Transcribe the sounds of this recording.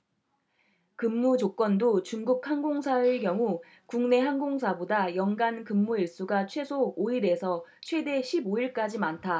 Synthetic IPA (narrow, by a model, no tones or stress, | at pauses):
kɯmːud͡ʑok͈wʌndot͡ɕuŋɡuk̚hanɡoŋsʰaɯɭkjʌŋu | kuŋne̞ɦanɡoŋsʰabodajʌŋɡankɯmːuiɭs͈uɡat͡ɕʰwe̞sʰooiɾe̞sʰʌt͡ɕʰwe̞de̞ɕʰiboiɭk͈ad͡ʑimantʰa